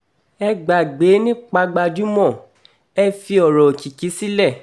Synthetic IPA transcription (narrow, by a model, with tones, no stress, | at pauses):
ɛ˧ɡ͡ba˨ɡ͡be˨˦nĩ˦k͡pa˧ɡ͡ba˧d͡ʒu˦mɔ̃˦˨ | ɛ˦fi˧ɔ˨ɾɔ˨ki˨ki˨˦si˦lɛ˦˨